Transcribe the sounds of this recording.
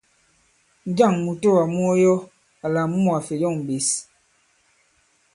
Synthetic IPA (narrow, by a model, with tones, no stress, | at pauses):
n˦d͡ʒa˦˨ŋmu˨to˦wa˨mu˦ɔ˦jɔ˦ | a˨la˨m˦ɔ˦˨a˨fe˨jɔ˦˨ŋm̩˨be˨s